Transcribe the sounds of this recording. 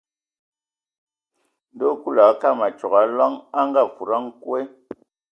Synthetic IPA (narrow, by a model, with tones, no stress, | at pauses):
n˦do˦ku˦la˨˦ka˦˨ma˨t͡ʃɔ˨ka˨˦la˦ŋa˦ŋɡa˦˨fu˨ɾa˦ŋ˦kwe˦